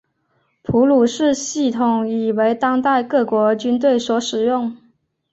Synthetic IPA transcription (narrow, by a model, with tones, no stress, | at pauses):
pʰu˧˥lu˨˩ʂɻ̩˥˧ɕi˥˩t̪ʰʊ˨˩ŋi˨˩we˧˥ɪt̪ɑ˥ŋt̪a˥˧ɪkɤ˥˩kwɔ˧˥t͡ɕy˥nt̪we˥˩ɪswɔ˧˥ʂɻ̩˨˩jʊ˥˩ŋ